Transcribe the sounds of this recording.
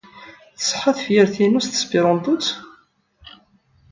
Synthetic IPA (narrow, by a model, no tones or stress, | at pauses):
θəsˤħɑθfjəɾθinust̪ə̥sbiɾˤɑnd̪ˤut͡s